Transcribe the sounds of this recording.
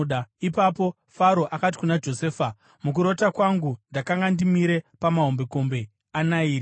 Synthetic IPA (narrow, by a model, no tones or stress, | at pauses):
ɗaipapo̞ | faɾo̞ʔakat̬i̥kunad͡ʒo̞se̞ːfa | mukuɾo̞takwaŋɡundakaŋɡandimiɾe̞pamaɦo̞mbe̞ko̞mbe̞ | anaiːɾi